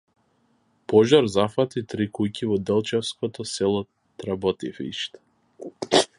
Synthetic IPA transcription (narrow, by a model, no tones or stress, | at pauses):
pɔʒaɾzafat̪it̪ɾikujcivɔd̪ɛlˠt͡ʃɛfskɔt̪ɔsɛlˠɔ | t̪ɾabɔt̪ifḭʃt̪